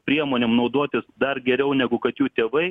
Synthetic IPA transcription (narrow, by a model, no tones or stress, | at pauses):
pʲɾʲiɛmoːnʲeːmnɐʊd̪oːt̪ʲɪsd̪ɐrɡʲɛɾʲɛʊnʲæɡʊkɐt̪juːt̪ʲeːʋɐɪ